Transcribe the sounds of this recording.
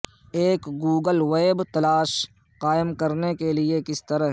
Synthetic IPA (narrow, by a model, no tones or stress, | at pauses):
eːkɡuːɡəlʋeːbt̪ɐlaːʃ | qaːɪmkɐɾnekeliekɪst̪ɐɾəɦ